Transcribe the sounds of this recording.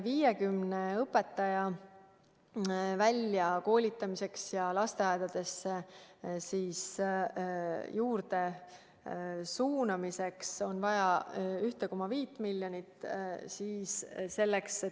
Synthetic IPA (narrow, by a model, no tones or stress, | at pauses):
viːjekymneɤpːˑe̞t̪ːˑɑjɑ | vælʲjɑko̞ːlʲit̪ːˑɑmise̞ksjɑlɑst̪eɑjd̪̥ɑd̪̥e̞sːesiːs | juːɾd̪e̞ | suːnɑmise̞kso̞nvɑjɑyht̪eko̞mɑviːt̪ˑmilʲːjonʲit̪ːˑsiːsse̞lːekse